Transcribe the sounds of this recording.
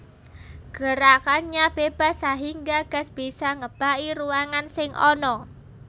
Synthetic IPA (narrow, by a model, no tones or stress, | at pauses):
ɡ̥ə̤ɾakanɲab̥eb̥a̤saɦiŋɡaɡ̥a̤sb̥isaŋəb̥a̤ʔiɾuaŋansɪŋʔɔ̰nɔ